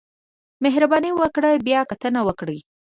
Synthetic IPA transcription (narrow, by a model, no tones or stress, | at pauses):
meɦɾabɑniwəkɽəjbjɑkat̪ənawəkɽəj